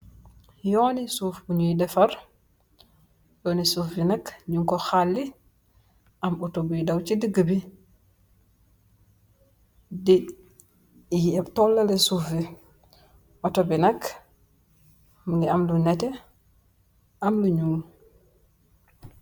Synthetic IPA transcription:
jɔːnisufbuɲuidɛfaɾ | jɔːnisufːinɐkɲuŋkɔxalːi | ʔamɔtobudawt͡ʃidiɡəbi | di | tɔlːalɛsufi | ʔɔtobinɐk | mŋɡiamlunɛtɛ | ʔamluɲuːm

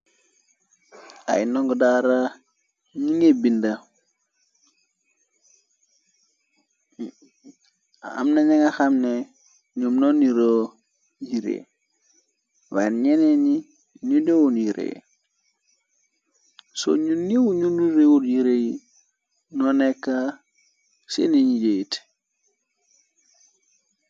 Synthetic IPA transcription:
a̰jnoŋɡodaɾa | ɲiŋebinda | a̰mnaɲeŋaxamne | ɲumnoniɾo | jiɾḛ | wanɲeneɲi | ɲudowunjiɾḛ | so̰ɲunːiwuɲumniɾewudjiɾeji | nonekːa | sḛneɲid͡ʒet

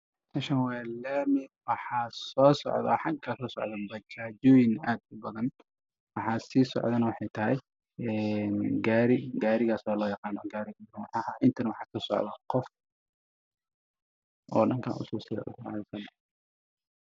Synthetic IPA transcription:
tɐʃɐnwɛːllɐmɪd̪̚wɑħɑːsɔːsɔ̰ʕðɐ̰ħɑŋkʰaːsɔːsɔʕðɐbɐkʰad͡ʒɔːjɪnaːd̪ʊbɐðɐn | wɑħɑːsiːsɔ̰ʕðɐnɐwɑħɑjt̪ʰɐɦɛj | ɛnɡaːɾɪɡaːɾɪɣaːsɔːlɔːjɑqɑːnɔɡaːɾɪɡɐɾɐnwɑħɑːhaʔɪnt̪ʰɐnɐwɑħɑːsɔːsɔ̰ʕðɐqɔf | ʔɔ̰ːɗɐŋkʰa̰ːʔʊ̰sɔːsɪjɐ̰ʔʊ̰kɑ̰ʕɪsɐn

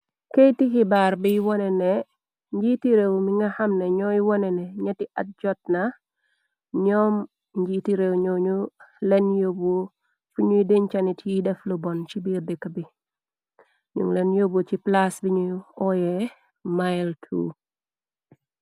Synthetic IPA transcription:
kejtikibaɾbijwɔnɛnɛ | ɲd͡ʒitiɾewmiŋɡɐhɐmnɛɲɔjwɔnɛnɛɲɐtiʔa̰t̚d͡ʒɔt̚nɐ | ɲɔm | ɲd͡ʒitiɾewɲɔɲulɛnjobo | fuɲudeɲt͡ʃanitjidɛflubɔnt͡ʃibiɾdɛkɐbi | ɲṵŋlɛnjobut͡ʃiplasbiɲuɔjɛ | majltʰṵ

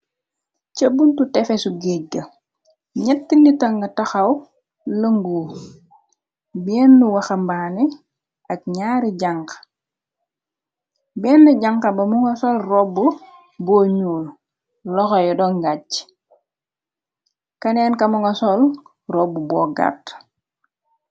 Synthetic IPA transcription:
cəbːuntutɛfɛsuɡɛɡɐ | ɲɐtːinitɐŋɡɐtɐxɐw | ləŋɡuː | bɛːnːuwɐxɐmbaːni | ʔɐk̚ɲaːɾiɟaŋk | bɛːnːɐɟaŋkɐbɐmuŋɡɐsɔlrɔbːu | bɔːɲuːl | lɔxɔjɔdɔŋɡac | kɐnɛːnkɐmuŋɡɐsɔl | rɔbːubɔːɡa̰t

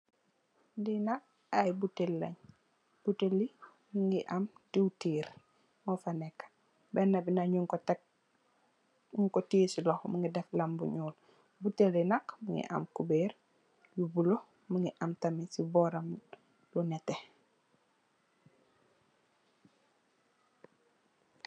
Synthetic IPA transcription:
dinak̚ | ajbutelːɐɲ | b̥utelːi | muŋɡiʔamdiwtiːɾ | mɔfanɛkːḁ | bɛnːɐbinaɲuŋkɔtk | ŋkɔtiːsilɔhmuŋɡidɛflɐmbuɲuːl | butelinakmuŋɡḭʔɐ̰mkubɛr | jubulɔ | muŋɡiʔɐmtɐmisibɔːɾɐm | lɔnɛtːɛ

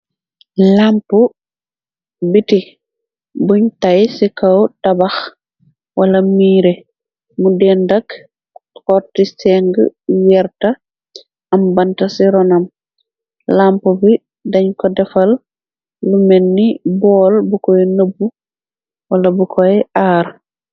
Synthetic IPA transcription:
lampu | biti | buɲtajsikɐwtɐbɐx | wʔɐlɐmiːɾe | mudɛːndɐk | kɔtisɛŋɡə̰wɛɾtɐ | ɐmbɐntɐsiɾɔnɐm | lampubi | dɐɲkɔdɛfɐl | lumɛnːibɔːlbukɔnəbːu | wɐlɐbukʰɔjɛʔaːɾ

